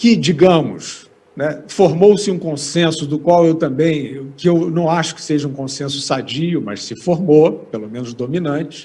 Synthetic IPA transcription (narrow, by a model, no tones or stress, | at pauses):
kɪd͡ʒiɡɐ̃mʊs | nɛfoɾmowsɪũkõsẽsʊd̪ʊkwawewt̪ɐ̃bẽj̃kɪewnɐ̃w̃aʃʊ̥kɪ̥seʒɐũkõsẽsʊ̥sad͡ʒiʊmɐ̰ʃsɪfoɾmopelomẽnʊzd̪ominɐ̃t͡ʃɪ̥